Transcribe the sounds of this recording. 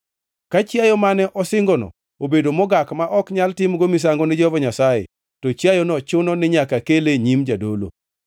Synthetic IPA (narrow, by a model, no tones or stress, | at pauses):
kat͡ʃjajɔmanɛʔɔsɪŋɡɔnɔ̰ | obedomɔɡakmaʔɔkɲaltɪmɡomɪs̬aŋɡɔnɪd͡ʒɔvɔɲasajɪ̰ | tɔt͡ʃjajɔnɔt͡ʃʊnɔnɪɲakakeleɲimd͡ʒadolo̰